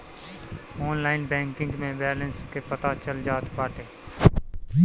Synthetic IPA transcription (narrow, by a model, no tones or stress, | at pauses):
ɔːnlaːɪnbɛ̃ːŋkɪ̃ŋɡmẽbɛːlə̃nskepət̪at͡ʃəld͡ʒaːt̪baːʈeː